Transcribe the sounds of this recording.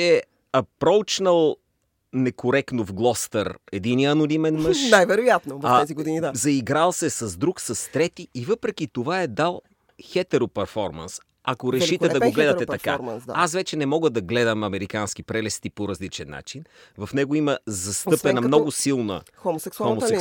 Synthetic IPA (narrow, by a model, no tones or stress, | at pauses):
ɛ | ɐpɾɔwt͡ʃnəlˠ | nɛkoɾɛk̪novɡlˠɔst̪ɐɾɛd̪iniɐnonimɛnmɤəʃnajvɛɾojat̪not̪ɛziɡodinid̪azɐiɡɾalˠsɛsɐzd̪ɾuksɐst̪ɾɛt̪iːvɤpɾɛk̟it̪ovaɛd̪alˠ | xɛt̪ɛɾopɛɾfɔɾmɐ̰ns | ɐkoɾɛʃit̪ɛd̪ɐoɡlɛd̪ɐt̪ɛt̪ɐka̰asvɛt͡ʃɛnɛmɔɡəd̪ɐɡlɛd̪əmɐmɛɾikansk̟ipɾɛlɛst̪ipoɾɐzlit͡ʃɛnːa̰t͡ʃinvɐfnɛɡoiməzɐst̪ɤpɛnɐmmnɔɡosilˠnə̰xomosɛksomosɛ